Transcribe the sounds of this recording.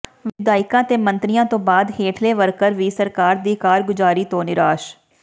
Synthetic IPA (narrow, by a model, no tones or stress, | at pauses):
ʋɪd̪aːɪkãːt̪eːmənt̪ɾɪjãːt̪õːbaːd̪heːʈʰleːʋəɾkəɾʋiːsəɾkaːɾd̪iːkaːɾɡʊd͡ʒaːɾiːt̪õːnɪɾaːʃ